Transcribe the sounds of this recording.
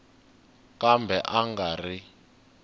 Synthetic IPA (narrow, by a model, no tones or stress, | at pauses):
kambɛʔaŋɡaːri